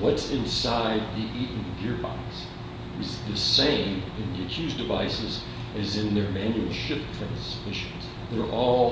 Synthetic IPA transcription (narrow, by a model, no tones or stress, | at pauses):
wʌtsɪ̃nsaɪd̪̚ðiʔiʔnɡɪɹba̰ɪks | ɨzðɨsẽɪ̃mɨ̃nðiɨkʰj̥ʉzdɨva̰ɪsɨz | ɨzɨ̃nðə˞mæ̃njul̩ˠʃɪftʰɹ̥æ̃nspɪʃɨ̃nz̥ | ðə˞ʔɔlˠ